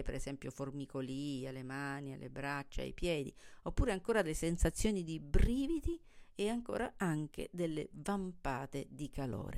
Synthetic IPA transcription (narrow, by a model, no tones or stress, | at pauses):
peɾezɛmpjoformikoliːalemaːnia̰lːʔḛbɾat͡ʃːa̰a̰jpjɛːd̪ḭopːuːɾeaŋkoːɾad̪elːesensat̪sːjoːnid̪ibɾiːvid̪i | eaŋko̰ːɾa̰aŋk̟ḛd̪elːḛvampaːt̪ed̪ikalo̰ːɾe